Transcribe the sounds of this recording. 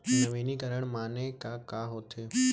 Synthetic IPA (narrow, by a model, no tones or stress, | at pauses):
nəʋeːnikɐɾəɽ̃maːnekakaɦoːt̪ʰeː